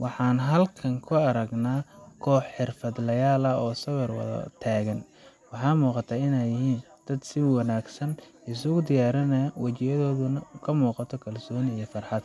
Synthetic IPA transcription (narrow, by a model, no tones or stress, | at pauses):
wɑħɑːnɦɐlkʰɐŋkʰʊɐɾɐɡnaːkʰɔːħħɪrfɐd̪lɐjaːlɐɔːsɐwɛrwɑ̰ðɐ̰t̪ʰaːɣɐn | wɑħɑːmuːqɑt̪ʰaːɪnɛjɪɦiːn | d̪̥ɐd̪sɪwɑnaːɡsɐn | ɪsʊɣʊd̪ɪjaːɾɐnɐwɐt͡ʃɪjɐðɔːðʊnɐkʰɐmuːqɑt̪ʰɔkʰɐlsɔːnijɔfɐrħɑd̪